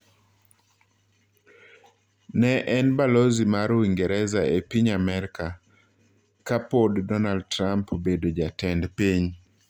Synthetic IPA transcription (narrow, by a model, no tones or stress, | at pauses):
nɛʔɛnbalozimaɾowiŋɡɛɾɛzaepiɲamɛɾka | kapoddɔnald̚tɾampobedod͡ʒatɛndpiɲ